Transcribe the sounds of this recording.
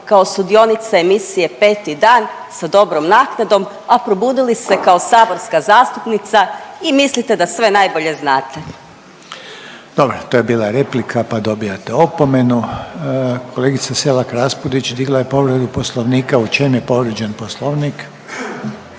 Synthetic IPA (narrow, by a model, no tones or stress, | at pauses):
kao̞st̪ud̪io̞nit̪saemisije̞pe̞ːt̪id̪aːn | sad̪o̞bɾomnaːknad̪o̞m | apɾo̞buːd̪ilise̞kaosaːbo̞ɾskazaːst̪upnit̪saimislit̪ed̪asʋe̞najbo̞ʎe̞znaːt̪e | d̪̥o̞bɾot̪oːjebiːlˠaɾeplikʰapad̪o̞bijat̪eopomenu | koleɡit̪saselakɾaspud̪it͡ʃd̪iɡlˠaje̞po̞ʋɾed̪uposlˠoʋniːkaut͡ʃenepo̞ʋɾed͡ʒenposlˠoʋnik